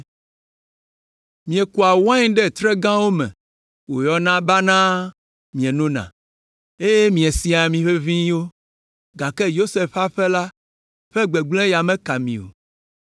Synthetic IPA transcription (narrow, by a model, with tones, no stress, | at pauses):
mĩ˨ɛ˨ku˨a˨wã˦ɲ˦ɖɛ˦t̪ɾɛ˦ɡã˦wo˦mɛ̰̃˨ | wo˨jɔ˨nã˦ba˦nã˦ | mĩ˨ɛ̃˨nõ˦nã̰˨ | e˦je˦mĩ˨ɛ˨si˨a˨mĩ˨ɸe˦vĩ˦wo˦ | ɡa˨kɛ˦jo˦se˨ɸa˦ɸɛ˦la˦ | ɸɛ˦ɡ͡bɛ˨ɡ͡blɛ̃˦ja˨mɛ̃˦ka˨mĩ˨o̰˨